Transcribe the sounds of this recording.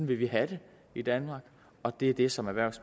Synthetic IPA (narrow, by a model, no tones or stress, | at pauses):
nʋe̝ʋiɦæɾ̥e̝ | id̥ænmɑ̈ːɡ̥ | ɒ̽d̥e̝ɐd̥e̝sɒ̽mæʋæɐ̰̥sm